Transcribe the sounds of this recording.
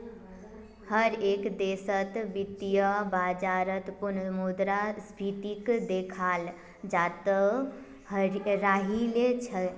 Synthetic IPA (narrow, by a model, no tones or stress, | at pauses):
həɾekd̪esət̪bit̪ijəbad͡ʒaɾət̪punmud̪ɾaspʰit̪ikd̪ekʰal | d͡ʒat̪ə | ɾaɦilet͡ʃʰə